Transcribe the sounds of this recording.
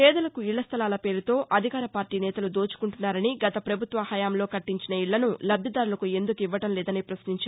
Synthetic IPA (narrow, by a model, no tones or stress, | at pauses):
pɛːd̪ɐlɐkuiɭːɐst̪ʰɐlaːlɐpe̞ːɾut̪o̞ːʔɐd̪ʱikaːɾɐpaːɾʈiːnɛːt̪ɐlud̪oːt͡ʃu̥kuɳʈunːaːɾɐniɡɐt̪ɐpɾɐbʱut̪ʋɐhɐjaːmlo̞ːkɐʈːiɲt͡ʃinɐiɭːɐnulɐbʱjɐd̪aːɾulɐkue̞nd̪ukiʋːɐʈɐmlɛːd̪ɐnipɾɐsniɲt͡ʃa